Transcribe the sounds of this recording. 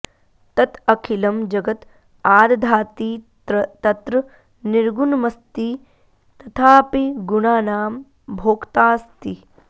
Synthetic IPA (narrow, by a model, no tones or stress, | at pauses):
t̪ɐt̪ɐkʰilɐmd͡ʒɐɡɐt̪ | aːɾd̪ʱaːt̪iː | t̪ɐt̪ɾɐ | niɾɡunmɐst̪i | t̪ɐt̪ʰaːpiɡunaːnaːm | bʱoːkt̪aːst̪i